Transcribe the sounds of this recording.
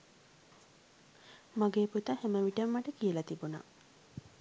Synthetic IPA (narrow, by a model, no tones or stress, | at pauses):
maɡeːput̪aheməʋiʈɐmːaʈəkiəlɐt̪ibuna̰